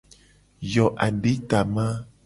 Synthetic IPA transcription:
jɔ˨ʔa˨ndi˦ta˨ma˦

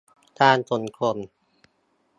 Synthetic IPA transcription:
t̪ʰaː˧˩nso˨˩nkʰo˧˩n

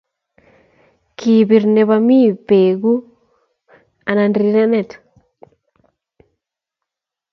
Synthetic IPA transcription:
ki˨bi˨ɾne˨βa˧mi˦˨pe˨ɡu˦ | a˨na˨ndɾi˦na˦nɛ˦˨t

